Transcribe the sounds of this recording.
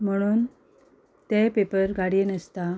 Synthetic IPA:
m̤əɽ̃uːn | t̪epepəɾɡaɽienəst̪a

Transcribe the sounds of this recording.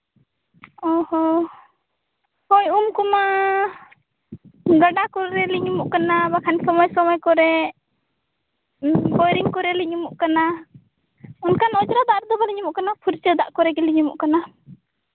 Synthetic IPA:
ɔhɔ | kɔjumkɔma | ɡaɖakɔɾɛliɲumuʔkanabakʰansɔmɔjsɔmɔjkɔɾɛ | bɔjɾiŋkɔɾɛliɲumuʔkana | ɔnkanɔd͡ʒɾad̪aʔɾɛd̪ɔbaliɲumuʔkanapʰuɾt͡ʃəd̪aʔkɔɾɛkɛliɲumṵʔkana

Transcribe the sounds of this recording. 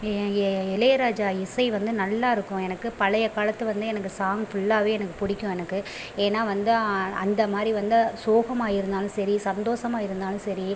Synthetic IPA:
ɪlɐjɐɾaːd͡ʒaːɪsɐɪʋɐnd̪ɯnɐlːaːɪɾɯkːʊ̃ɛnɐkːɯpɐlɐjɐkaːlɐt̪ːɯʋɐnd̪ɯɛnɐkːɯsaːŋɡfʊɭːaːʋeːɛnɐkːɯ̥pʊɽɪkʲːʊ̃ɛnɐkːɯ | eːnːaːʋɐnd̪ɯɐ̰nd̪ɐmaːd̪ɾiʋɐnd̪ɯsoːɣɐmaːjɪɾɯnd̪aːlɯ̃sɐɾisɐnd̪oːʂɐmaːjɪɾɯnd̪aːlɯ̃sɐɾi

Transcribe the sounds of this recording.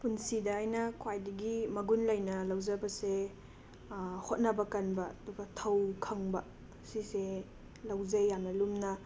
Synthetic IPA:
punsidɐajnɐkʰwajdɐɡimɐɡunlɐjnɐlɐwd͡ʒɐbɐse | hot̚nɐbɐkɐnbɐːduɡɐtʰɐwkʰɐŋbɐ | sise | lɐwzɐjːanɐlumnɐ

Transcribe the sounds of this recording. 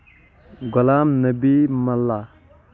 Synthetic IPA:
ɡʊlaːmnəbimɐlːa

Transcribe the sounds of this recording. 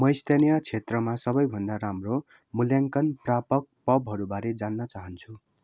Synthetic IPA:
mʌist̪enijat͡sʰet̪rʌmasʌbʌjbʱʌnd̪aɾamro | muljaŋkʌnprapʌk̚pʌbɦʌɾubaɾed͡zanːʌt͡saɦʌnt͡sʰu

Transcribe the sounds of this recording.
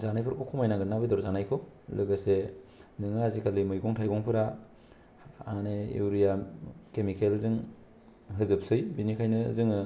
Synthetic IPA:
zanajpʰɯɾkʰɔkʰumajnaŋɡɯnːabɯdɔɾzanajkʰɔlɯɡɯsenɯŋɯazikʰalimɯjɡɔŋtʰajɡɔŋpʰɯɾa | aneḛwɾijakemikelzɯŋ | ɦɯzɯp̚sɯjbinikʰajnɯzɯŋɯ

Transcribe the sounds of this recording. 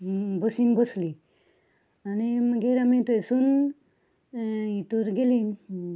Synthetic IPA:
bɔsinbɔsli | aniɡeɾamit̪ɔesun | it̪uɾɡelin

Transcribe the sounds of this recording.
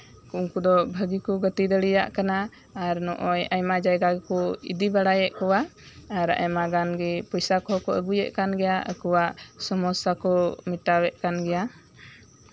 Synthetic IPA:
kuʔuŋkud̪ɔbʱəɡikɔɡət̪id̪əɽɛja̰ʔkanaː | ɾnɔʔɔjajmad͡ʒajɡaɡɛkɔḭd̪ibaɽajɛʔkɔwa | aɾa̰jmaɡanɡɛpɔjsakɔɦkɔʔəɡujɛʔkanɡɛjaə̰kɔwaʔsɔmɔsakɔmiʈawɛʔ̪̚kanɡɛja

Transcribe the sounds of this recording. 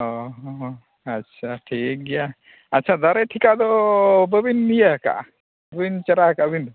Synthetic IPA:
ɔɦ | ɐtːʃʰaʈʰik̚ɡɛja | ɐtːʃʰad̪aɾɛʈʰikad̪ɔbəbinːijəka̰ʔ | bbint͡ʃəɾakabind̪ɔ

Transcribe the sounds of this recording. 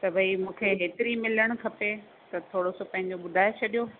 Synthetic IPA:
t̪ɐbʱɐimũːkʰeɦeːt̪ɪɾimɪləɽ̃ʊ̆kʰɐpe | t̪ɐt̪ʰoːɽosopɐ̃ɦɪ̃ɲ̆d͡ʑoɓʊd̪ʱaːet͡ɕʰɐɗijo

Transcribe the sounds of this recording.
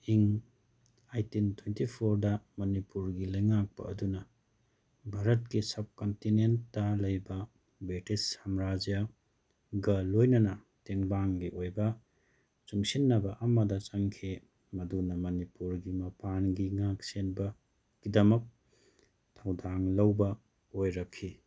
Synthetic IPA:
iŋ | ajtintʰwentipʰoɾdɐmɐnipuɾɡilɐjŋak̚pɐ̰ɐdunɐ | bʱaɾɐt̚kisɐb̚kontinentːɐlɐjbɐ | bɾitisamɾad͡ʒja | ɡɐlojnɐnɐ | teŋbaŋɡiʔojbɐ | t͡ʃuŋsinːɐbɐʔɐmɐdɐt͡ʃɐŋkʰe | mɐdunɐmɐnipuɾɡimɐpʰanɡiŋak̚senbɐ | ɡ̥idɐmɐk̚ | tʰawdaŋlɐwbɐ | ojɾɐkʰːi

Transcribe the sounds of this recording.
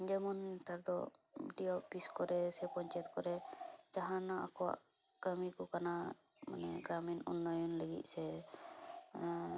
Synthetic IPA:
d͡ʒɛmunt̪aɾd̪ɔ̰ɖiɔbiskɔɾɛsɛpɔɲt͡ʃɛt̪̚kɔɾɛt͡ʃaɦanaʔa̰kɔwa̰ʔ | kəmikɔkana | ma̰nɛɡɾaminunːɔjɔnləɡḭt̪̚sɛ

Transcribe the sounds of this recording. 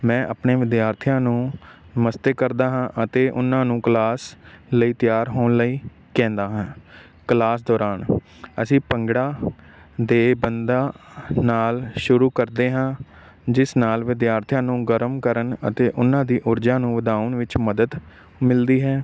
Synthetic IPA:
mɛ̃ːʔə̰pneːʋɪd̪jaːɾt̪ʰijãːnũːəməst̪eːkəɾd̪aːɦãːʔət̪eːʔʊ̰nːãːnũːklaːsləiːt̪jaːɾɦoːnləiː | kɛ̃ːnd̪aːɦãː | klaːsd̪ɔːɾaːn | ə̰sĩːpəŋɡɽaː | d̪eːbənd̪aːnaːlʃʊɾuːkəɾd̪eːɦãː | d͡ʒɪsnaːlʋɪd̪jaːɾt̪ʰjãːnũːɡəɾmkəɾənə̰t̪eːʔʊnãːd̪iːʔʊɾd͡ʒaːnũːʋəd̪aːənʋɪt͡ʃməd̪əd̪ | mɪld̪iːɦɛː

